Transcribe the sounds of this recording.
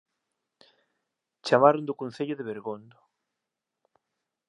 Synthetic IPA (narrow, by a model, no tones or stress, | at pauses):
t͡ʃamaɾʊnd̪ʊkon̟θeʎʊðɪβeɾɣond̪ʊ